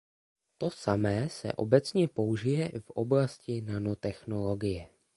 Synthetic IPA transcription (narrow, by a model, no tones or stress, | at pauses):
t̪o̞samɛːsɛ̰ʔo̞̰bɛt͡sɲɛpo̞uʒɪjɛvʔoblascɪnanot̪ɛxno̞lo̞ɡɪjɛ